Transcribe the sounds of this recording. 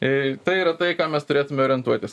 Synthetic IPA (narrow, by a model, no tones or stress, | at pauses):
ɪt̪ɐɪiːɾɐt̪ɐɪkaːmʲɛst̪ʊɾʲeːt̪ʊmʲɛoːɾʲiɛnt̪uɔt̪ʲɪs